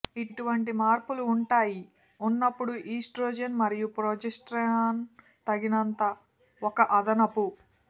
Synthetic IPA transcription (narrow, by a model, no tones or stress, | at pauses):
iʈuʋɐɳʈ̬imaːɾpuluːɳʈaːji | unːɐpːuɽuʔiːsʈɾoːd͡ʒɐnmɐɾijupɾoːd͡ʒesʈɾaːn | t̪ɐɡinɐnt̪ɐ | ɔkɐʔɐd̪ɐnɐpu